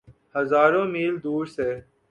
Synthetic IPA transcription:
həzaːɾõːmiːld̪uːɾseː

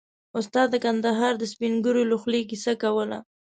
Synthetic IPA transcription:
ʊst̪ɑd̪əkand̪aɦɑɾd̪əspinɡuɾoloxliɡisakawəla̰

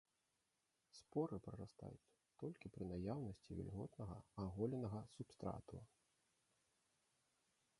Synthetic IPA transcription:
spɔɾɨpɾɐɾast̪a̰jut͡sʲ | t̪ɔlʲkʲipɾɨnajawnɐsʲt͡sʲivʲḭlʲɣɔt̪nɐɣɐ̰aɣɔlʲɛnɐɣɐsupst̪ɾa̰t̪uɐ

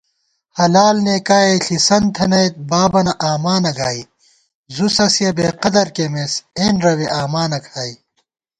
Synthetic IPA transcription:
hɐlaːlneːkaːeɬisɐnt̪ʰɐnɐjt̪̚baːbɐnɐʔaːmaːnɐɡaːi | zusɐsjɐbeːqɐd̪ɐɾkemeseːnɾɐweʔaːmaːnɐkʰaːi

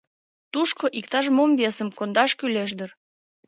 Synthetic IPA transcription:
t̪uʃkoʔikt̪ɑʃ̬mombesəmkond̪ɑʃkyleʃ̬d̪ər

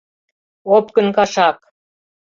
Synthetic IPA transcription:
op̚kə̆nkɑʃɑk

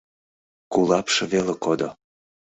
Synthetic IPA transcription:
kulˠɑpʃɤ̆velekod̪o

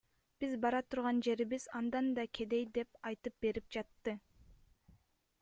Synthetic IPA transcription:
b̥izbɑɾɑt̪ʰuɾʁɑnd͡ʒe̞ɾiβizɑnd̪ɑnd̪ɑkʲʰe̞d̪e̞jd̪e̞pɑjt̪ɯp̚be̞ɾip̚d͡ʒɑt̪ːɯ

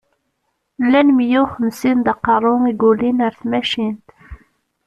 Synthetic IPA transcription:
lːænmjuχəmsind̪ɑqɑɾˤʊiɡulinəɾθmæʃint̪

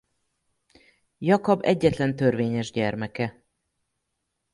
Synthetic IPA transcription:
jɒkɒbɛɟːɛt̪lɛnt̪ørveːɲɛʒɟɛrmɛkɛ

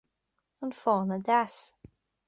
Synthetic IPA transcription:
ənfɔːnəd̪as

